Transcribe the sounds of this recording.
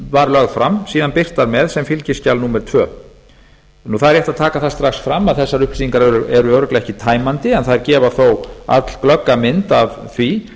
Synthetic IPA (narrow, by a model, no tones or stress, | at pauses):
vaɾlœɣfɾamsiːðanpɪr̥t̪aɾmɛðsɛmfɪlcɪscalnuːmɛɾt̪ʰvœː | nuθaðɾjɛht̪at̪ʰaːkaθast̪ɾaxsfɾamːaðθɛsːaɾʏhpsiiŋkaɾɛɾʏɛɾʏøːwɾʏklɪɛhcɪt̪ʰaːjmant̪ɪɛnθaðɛɾcɛːvaθowa̰t̪l̥klœkːamɪnt̪avθvi